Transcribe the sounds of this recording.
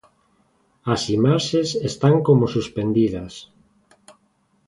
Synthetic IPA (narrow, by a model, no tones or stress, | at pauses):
asimaʃesest̪aŋkomosuspend̪iðɐs